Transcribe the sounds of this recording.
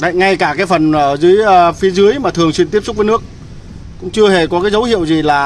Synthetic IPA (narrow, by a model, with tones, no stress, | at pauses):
ɗə̰˧˨jŋa˧jkaː˧˩kaː˨˦jfə˨˩nʔəː˧˩zɨ̰˧˨˦əjʔfi˨˦zɨ˨˦əjmaː˨˩t̪ʰɨ˨˩əŋswi˧nt̪i˦˥əp̚sʊ˥k͡p̚vːjnɨ˦˥ək̚ | kʊ̰˧˥ŋ͡mt͡ɕɨ˧əhe˨˩kɔ˨˦kaː˨˦jzə˨˦whḭ˧˨əwzi˨˩laː˨˩